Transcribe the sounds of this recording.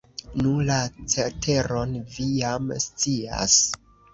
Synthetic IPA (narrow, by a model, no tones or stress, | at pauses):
nulat͡setʰe̞ɾo̞nvijamst͡sia̰s